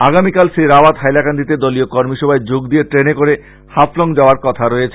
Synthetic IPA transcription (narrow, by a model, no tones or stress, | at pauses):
aɡamikalsɾiɾabat̪ɦajlakand̪it̪ed̪oliokɔɾmiʃɔbʱaed͡ʑoɡd̪ieʈɾenekoɾe | hafloŋd͡ʑaoaɾkɔt̪ʰaɾoet͡ɕʰe